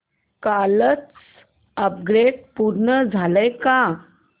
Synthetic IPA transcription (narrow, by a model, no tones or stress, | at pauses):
kalət͡s | əp̚ɡɾeɖ̚puɾɳəd͡zʱaləjka